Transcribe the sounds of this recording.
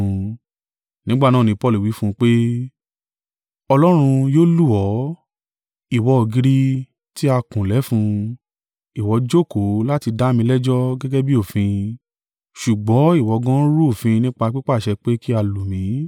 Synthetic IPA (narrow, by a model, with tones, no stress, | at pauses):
nĩ˦ɡ͡ba˦˨nãː˦˨nĩ˨˧pɔ˦˨lu˨wi˨˦fũ˦˧k͡pe˦ | ɔ˧lɔ˦ɾ̃ũ˧joː˦lu˦ɔ˨˦ | i˦˨wɔ˧ɔ˨ɡi˧ɾi˦ | ti˦a˧kũ˨lɛ˨˦fũ˧ | i˨wɔ˨˧˦d͡ʒo˦˨ko˨˦la˦ti˧da˦mĩ˧lɛ˦d͡ʒɔ˦ɡɛ˦ɡɛ˦bi˦o˦˨fĩ˧ | ʃu˨ɡ͡bɔ̃˨˦i˦˨wɔ˨˦ɡã˦ɾu˦o˦˨fĩ˧nĩ˦k͡pa˧k͡pi˦k͡pa˦˨ʃɛ˧k͡pe˦ki˦a˧lu˨mĩ˨˦